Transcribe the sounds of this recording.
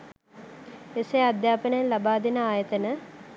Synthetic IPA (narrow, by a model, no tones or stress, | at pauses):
esead̪jaːpənəjlabaːd̪enəaːjət̪ənə